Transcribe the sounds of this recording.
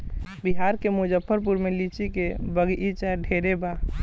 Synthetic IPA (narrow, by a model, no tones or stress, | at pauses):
biɦaɾkemud͡ʒəpʰːəɾp̬uɾmelit͡ʃikebəɡʔit͡ʃɛɖʱeɾeba